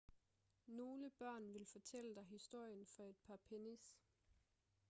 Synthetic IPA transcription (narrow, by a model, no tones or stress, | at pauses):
no̝ːləb̥ɶɐ̰nʋe̝lfɒ̽t͡sʰeləd̥ɑ̈ɪɦisd̥o̝ɐ̰jənfɒ̽e̝d̥̚pʰɑ̈pʰenis